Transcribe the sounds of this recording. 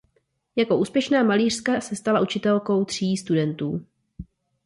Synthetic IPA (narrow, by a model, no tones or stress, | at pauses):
jako̞ʔuːspjɛʃnaːmaliːr̝̥skasɛst̪alaʔut͡ʃɪt̪ɛlko̞wt̪r̝̥iːst̪udɛnt̪uː